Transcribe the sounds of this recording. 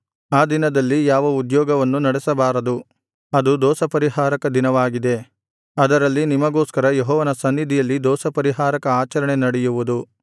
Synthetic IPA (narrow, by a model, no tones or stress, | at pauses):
aːd̪inɐd̪ɐlːijaːʋɐud̪jɔːɡɐʋɐnːunɐɽɛsɐbaːɾɐd̪u | ɐd̪ud̪ɔːsɐpɐɾiɦaːɾɐkɐd̪inɐʋaːɡid̪e̞ | ɐd̪ɐɾɐlːinimɐɡoːskɐɾɐjeɦɔːʋɐnɐsɐnːid̪ʱijɐlːid̪ɔːsɐpɐɾiɦaːɾɐkɐaːt͡ʃɐɾɐɳe̞nɐɽɛjuʋud̪u